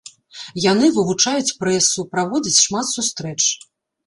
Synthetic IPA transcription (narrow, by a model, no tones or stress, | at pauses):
janɨvɨvut͡ʂajut͡sʲpɾɛsupɾavɔd͡zʲit͡sʲʂmat̪sust̪ɾɛt͡ʂ